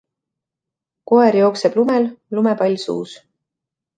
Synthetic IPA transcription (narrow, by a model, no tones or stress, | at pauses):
ko̞eɾjo̞ːkseb̥lumellumepɑlʲsṵːs